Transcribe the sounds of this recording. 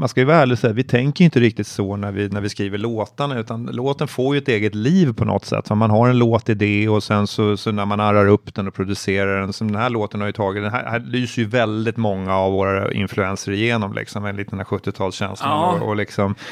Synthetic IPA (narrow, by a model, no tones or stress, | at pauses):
manskajʉvaɦæːɭɪɡsɛjːavɪt̪ʰɛŋkəɾjʏnt̪əɾɪk̚t̪ɪt̪sɔnæɾvɪnæɾvɪskɾiːvəɭoːt̪anʉ̟ːt̪anloːt̪ənfoːɾjɵɛt̪eːɡət̪liːvpʰɔnʔɔ̰t̪ːsɛ̰t̪ːɔmanɦaɾɛnloːt̪ːɪd̪ɛɔsɛnsɔsɔnæɾmanaɾaɾɵpːd̪̥ɛnɔpʰɾʊd̪ɵseːɾaɖɛnsɔmd̪ɛnɦæɭoːt̪ənhaɾjʏt̪ʰɑːɡɪt̪d̪ɛnɦæ̰hælyːsəɾjɵvɛld̪ɪt̪mɔŋːaːvːoːɾaa̰ɪ̰nflɵɛnsəɾɪjeːnɔmlʔɪ̰ksɔmɛnlɪt̪̚d̪ɛnæːɧɵt̪ːɪt̪ʰɑːlsɕɛ̰nslɔ̰lɪksɔm